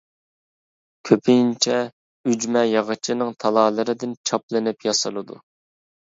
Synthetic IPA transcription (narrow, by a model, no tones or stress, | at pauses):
kʲʰøpʰint͡ʃʰɛ | yd͡ʒmɛjɑʁɨt͡ʃʰɪnɨŋt̪ʰɑlˠɑːlˠɨɾɨd̪ɪnt͡ʃʰɑplˠɨnɨpjɑsɨlˠɨd̪ṵ